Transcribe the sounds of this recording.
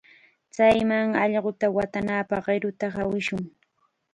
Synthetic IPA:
t͡sajmaŋɑʎɢʊt̪awat̪anaːpɑχɢɪɾʊt̪aχawɪʃʊŋ

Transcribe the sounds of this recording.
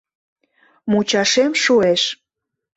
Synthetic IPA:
mut͡ɕɑʃemʃueʃ

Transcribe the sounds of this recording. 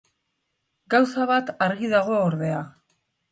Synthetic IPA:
ɡawsaβat̪aɾɣiðaɣ̞o̞oɾðe̞a

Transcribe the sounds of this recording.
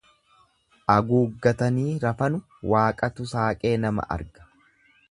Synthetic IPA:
ʔɐɡuːɡːɐt̪ɐniːɾɐfɐnʊ | waːkʼɐt̪ʊsaːkʼe̞ːnɐmɐ̰ʔɐ̰ɾɡɐ̥

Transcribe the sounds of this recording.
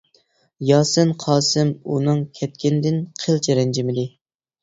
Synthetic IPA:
jɑːsɨnqʰɑːsɨmunɨŋkʲʰɛt̪̚kʲɪnɪd̪ɪnqʰəlt͡ʃʰeɾɛnd͡ʒɪmɪd̪ɪ

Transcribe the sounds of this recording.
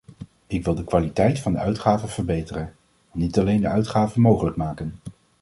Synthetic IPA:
ɪkʋɪlˠdəkʋaːlitɛjtfɑndəœɥtχaːvəv̥əɹbejtərən | nːitɑlejndəœɥtχaːvənmowχələk̚maːkən

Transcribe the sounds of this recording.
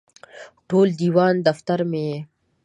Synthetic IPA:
ʈoːld̪iːwɑːnd̪ɐft̪aɾme

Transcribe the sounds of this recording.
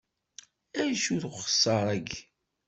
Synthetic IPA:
æjʃuθχə̥sˤːɑɾˤæɡ

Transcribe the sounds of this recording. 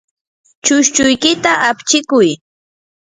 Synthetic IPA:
t͡ʃʊʃt͡ʃʊjkɪt̪aʔapt͡ʃɪkʊj

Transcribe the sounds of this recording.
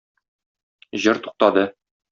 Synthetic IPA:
ʑɤɾt̪u̥q̚t̪ɑd̪ɤ

